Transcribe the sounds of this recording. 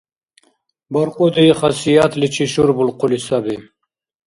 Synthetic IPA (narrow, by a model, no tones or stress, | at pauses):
bɐɾqud̪iiχɑsijat̪lit͡ɕʰiʃuɾbulqʊlisabi